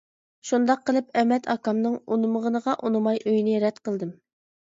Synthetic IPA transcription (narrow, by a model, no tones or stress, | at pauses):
ʃund̪ɑqːəlˠɨpɛmɛt̪ʰɑkɑmnɨŋunɨməʁənəʁɑʔunɨmɑjʔøjnɪɾɛt̪qəlˠd̪ɨm